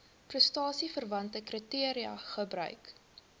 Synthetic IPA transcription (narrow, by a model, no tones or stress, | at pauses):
prəstɑːsifərvɐntəkrətiəɾiɐ̰χəbrœ̰ɥk